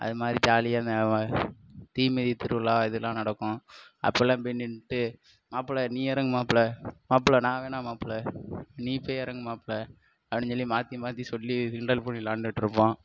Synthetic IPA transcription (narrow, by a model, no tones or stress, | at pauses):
ʔɐ̰ðɯmaːd̪ɾit͡ʃaːlɪjaːnɐ | t̪iːmɛðit̪ɪɾɯʋɐlaːɪðɯlːãːnɐɽɐkːʊ̃ɐ̰pːɛlãːpɛnːɪnʈːɯ | maːpːlɐniːɛɾɐŋɡɯmaːplɐmaːp̬ɭɐnãːʋeːnaːmaːplɐniːpeːjɛɾɐŋɡɯmaːpːlɐ | ɐʋɐnɲɔlːimaːt̪imaːt̪isɔlːiɪɳɖɐlpoːɳilaːɳɖɯɪʈːɪɾɯpːõː